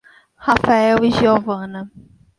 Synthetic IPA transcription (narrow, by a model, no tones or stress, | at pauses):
hafaɛwiʒiovɐ̃nɐ